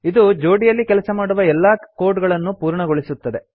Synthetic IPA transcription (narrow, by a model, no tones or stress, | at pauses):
id̪ud͡ʒo̞ːɖijɐlːikɛlɐsɐmaːɽuʋɐɛlːaːko̞ːɾɖɡɐɭɐnːupuːɾɳɐɡoɭisut̪ːɐd̪e̞